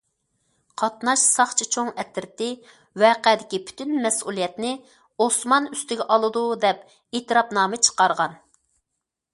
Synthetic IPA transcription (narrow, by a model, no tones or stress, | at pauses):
qʰɑt̪nɑʃsɑχt͡ʃʰit͡ʃʰoŋɛt̪ɾɪt̪ɪ | wɛːqɛd̪ɪkʲipʰy̥t̪ʰynmɛsulˠijɛt̪nɪ | osmɑnyst̪ɪɡʲɛʔɑlˠɨd̪ud̪ɛp | eːt̪ɨɾɑpnɑːmɨt͡ʃʰə̥qɑɾʁɑn